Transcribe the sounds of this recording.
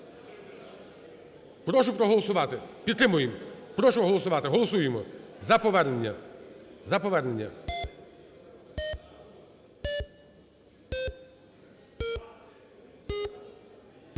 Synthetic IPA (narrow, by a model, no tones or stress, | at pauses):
pɾɔʃʊpɾɔɦɔlˠɔsʊʋɑt̪ɪpʲid̪t̪ːɾɪmʊjɪmpɾɔʃʊɦɔlˠɔsʊʋɑt̪ɪɦɔlˠɔsujemɔzɐpɔʋɛrnenʲːɐ | zɐpɔʋɛrnenʲːɐ